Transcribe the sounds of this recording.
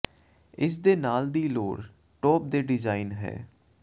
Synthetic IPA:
ɪs̬d̪eːnaːld̪iːloːɽ | ʈɔːp̚d̪eːɖɪd͡ʒaːinɦɛ̰ː

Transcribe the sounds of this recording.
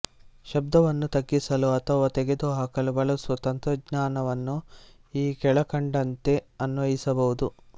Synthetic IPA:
ʃɐb̚d̪ɐʋɐnːut̪ɐɡːisɐluɐt̪ʰɐʋɐt̪eɡed̪uɦaːkɐlubɐɭɐsʋɐt̪ɐnt̪ɾɐɡɲaːnɐʋɐnːu | iːkɛɭɐkɐɳɖɐnt̪e̞ɐnʋɐɦisɐbɐʋud̪u

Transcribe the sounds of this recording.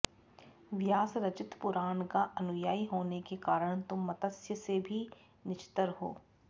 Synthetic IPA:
ʋjaːsɾɐt͡ʃɪt̪pʊɾaːnkaʔɐnʊjaːiɦoːnekekaːɾəɽ̃t̪ʊmːɐt̪əsjəsebʱi | nɪt͡ʃɪ̥t̪əɾɦo̰ː

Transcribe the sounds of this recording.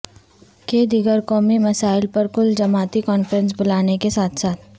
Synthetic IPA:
keːd̪iɡəɾkɔːmimɐsaːɪlpɐɾkʊld͡ʒɐmaːt̪ikɔːnfɾə̃ns̬bʊlaːnekesaːt̪ʰsaːt̪

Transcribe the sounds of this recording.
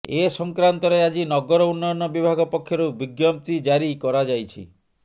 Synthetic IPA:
esɔŋkɾant̪ɔɾead͡ʒinɔɡɔɾɔunːɔɔnɔbibʱaɡɔpɔkʰːjɔɾubiɡjɔm̚t̪id͡ʒaɾikɔɾad͡ʒajt͡ʃʰḭ

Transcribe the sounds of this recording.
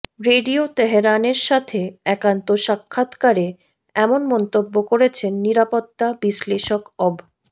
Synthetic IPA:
ɾeɖiot̪eɦeɾaneɾʃat̪ʰeɛkant̪oʃakʰːat̪kaɾe | ɛmonmɔnt̪obːokoɾet͡ɕʰenːiɾapot̪ːabiʃleʃokɔb

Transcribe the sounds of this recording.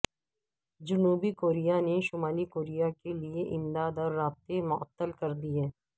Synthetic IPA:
d͡ʒʊnuːbikoːɾijaneʃʊmaːlikoːɾijakelieʔɪmd̪aːd̪ɔːɾːaːb̚t̪emʊə̰t̪ːəlkɐɾd̪ieː

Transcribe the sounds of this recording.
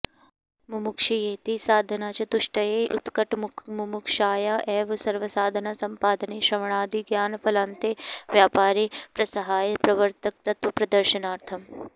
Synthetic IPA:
mumukʃijeːt̪isaːd̪ʱɐnaːt͡ʃɐt̪uʃʈɐjeʔʊ̰t̪kɐʈmumukʃaːjaʔɛːʋsɐɾʋɐsaːd̪ʱɐnasɐmpaːd̪ɐneːʃɾɐʋɳ̃aːd̪iɡjaːnpʰɐlaːnt̪eːʋjaːpaːɾipɾɐsɐɦaːjpɾɐʋəɾt̪ɐk̚t̪ɐt̪ʋɐpɾɐd̪ɐɾʃɐnaːɾt̪ʰɐm

